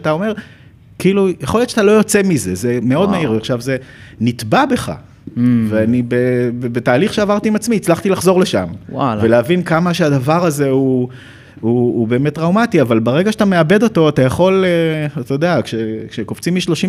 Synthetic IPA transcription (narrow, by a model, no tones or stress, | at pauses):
tao̞me̞ʁ | kiːlujeχo̞ljott͡ʃʃat̪alo̞jo̞t͡semize̞zeme̞o̞dmaiʁveaχʃavze̞nit̪babe̞χa̰ | veanibebebetaːliχʃeavaʁt̪iimat͡smiːt͡slaχt̪ilaχzo̞ʁleʃa̰mwalveleavinkamaʃeadavaʁaze̞u | uːbe̞ːmet̚ːʁawmat̪iavalbaʁe̞ɡaʃat̪ame̞abe̞d̪o̞t̪o̞atajaχo̞leat̪ajod̪eakʃekʃekoft͡simiʃlo̞ʃi